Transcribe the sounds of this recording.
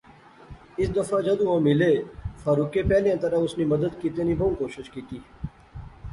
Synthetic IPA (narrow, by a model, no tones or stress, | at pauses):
ɪsd̪əfaːd͡ʒəd̪ũːɦõːmɪleːfaːɾuːkeːpɛːljãːt̪əɾãːʊsniːməd̪əd̪kiːt̪eːniːbʱõːkoːʃɪʃkiːt̪iː